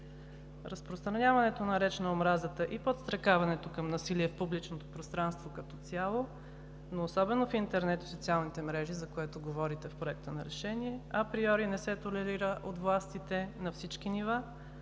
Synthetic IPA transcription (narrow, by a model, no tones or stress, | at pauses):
ɾəspɾost̪ɾɐnʲavɐnɛt̪onɐɾɛt͡ʃɛnɐomɾazət̪əʔipot̪st̪ɾɐkavɐnɛt̪okɐmnɐsiliɛfpublit͡ʃnot̪opɾost̪ɾanst̪vokɐt̪ɔt̪sjalˠo | noːsɔbɛnofint̪ɛɾnɛt̪sotsialˠnit̪ɛmɾɛʒizɐkoɛt̪oɡovɔɾit̪ɛfpɾoɛk̚t̪ənɐɾɛʃɛniɛɐpɾiɔɾinɛsɛt̪olɛɾiɾəʔot̪vlˠast̪it̪ɛnɐfsit͡ʃk̟iniva